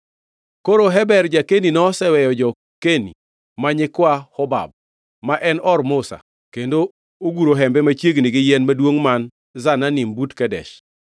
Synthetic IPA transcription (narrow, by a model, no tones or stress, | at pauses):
koɾoɦɛbɛrd͡ʒakeninɔsɛwɛjɔd͡ʒɔ | kenḭ | maɲɪkwahɔba̰b̚ | maʔɛnɔrmʊsa̰ | kendo | oɡuɾoɦɛmbɛmat͡ʃjeɡnɪɡɪjɛnmadwoŋman | zananɪmbutkɛdɛ̰ʃ